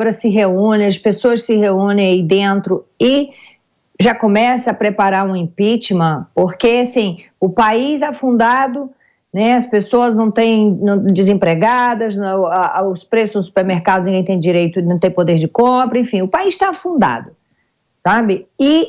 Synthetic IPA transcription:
bɾɐsɪɦeũnẽɐspesoɐssɪheũnẽj̃aid̪ẽnt̪ɾʊɪ | ʒakõmɛsɐːpɾepaɾaɾũĩpit͡ʃimɐ̃poɾkesĩ | ʊpaizɛfũnd̪ad̪ʊ | nɛɐspesoɐznɐ̃w̃t̪ẽj̃nɐ̃w̃d͡ʒɪzẽpɾeɡad̪ɐzaʊspɾesʊznʊsu̥peɾmeɾkad̪ʊzĩɡẽj̃t̪ẽj̃d͡ʒiɾejt̪ʊnɐ̃w̃t̪ẽj̃pod̪eɾd͡ʒɪkõpɾɐẽfĩʊpaist̪afũnd̪a̰d̪ʊ | sabɪɪ

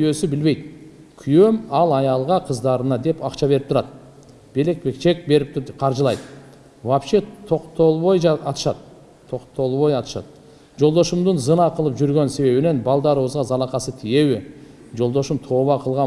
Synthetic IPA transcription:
kʲʰjøsɪbɪlbe̞jd̪ | kʲʰyjømɑlˠɑjɑlˠʁɑqʰəzd̪ɑɾənɑd̪e̞pɑqʃɑbe̞ɾɪp̚t̪ʰʊɾɑd̪ | b̥e̞le̞k̚be̞kt͡ʃe̞k̚be̞ɾɪp̪̚qʰɑɾʒəlˠɑjd̪ə | wapʃet̪ʰo̞qt̪olˠβojɑt̪ə̥ʃɑd̪ʰ | o̞qt̪olˠβojɑt̪ə̥ʃɑ̰d̪ | ʒo̞lˠd̪oʃəmd̪ənzənɑqʰəlˠəpʒʏɾɡʲe̞nse̞βe̞βɪne̞nbɑlˠd̪ɑɾwozʁɑzɑlˠɑqɑsət̪ʰije̞wɪ | ʒo̞lˠd̪oʃəmt̪ʰo̞βɑqʰəlˠʁɑ

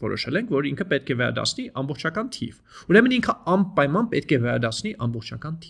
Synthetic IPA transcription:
vɔɾɔ̰ʃɛlɛŋkʰvɔɾiŋkʰəpɛt̪̚kʰɛvɛɾɑ̰d̪ɑ̰t͡sʰniʔɑmbɔχt͡ʃʰɑkɑnt̪ʰḭv | uɾɛməniŋkʰəɑnpɑjmɑnpɛt̪kʰɛvɛɾɑ̰d̪ɑt͡sʰniʔɑmbɔχt͡ʃʰɑkɑnt̪ʰi

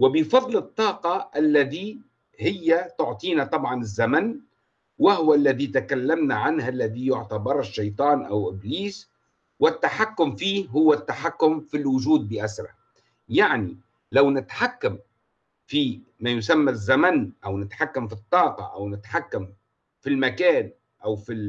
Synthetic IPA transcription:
wɪbɪfɑðˤlɨt̪ˤːɑːqɑʔalːaði | hɪjːat̪ʊʕt̪ˤiːnat̪ˤɑbʕɑnɪzːaman | wahʊwalːaðit̪akalːamnaʕanhalːaðijʊʕt̪ɑbɑɾˤɪʃːɑjt̪ˤɑːnʔawʔɪbliːs | wɪt̪ːaħakːʊmfiːhʊwːat̪ːaħakːʊmfilwʊʒuːd̪̚bɪʔasɾˤɑ̰ | jaʕni | lawnɪt̪ħakːam | fi | majʊsamːazːamanʔawnɪt̪ħakːamfit̪ˤːɑːqɑ̰ʔa̰wnɪt̪ħakːam | filmakaːn | ʔawfi

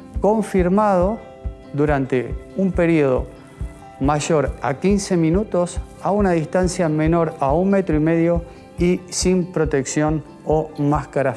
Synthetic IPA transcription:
ko̞ɱfiɾmað̞o | d̪uɾant̪eumpe̞ɾioð̞o̞̰ | maʒo̞ɾa̰kinse̞mĩnut̪o̞s | aunaðist̪ansjame̞no̞ɾaunmet̪ɾoime̞ðjo | isimpɾo̞t̪e̞ksjo̞n | omaskaɾa

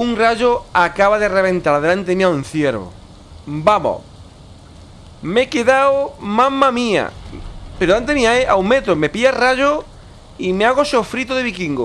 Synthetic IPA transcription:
uŋraʝoakaβaðereβ̞ẽnt̪aɾaðelant̪eðemĩaun̟θjeɾβo̰ | bamo̰ | mekeðawmãmamia̰peɾoant̪eemiaeʔa̰wmet̪ɾomepiaraʝo | imeaɣosofɾit̪oðeβikiŋɡo

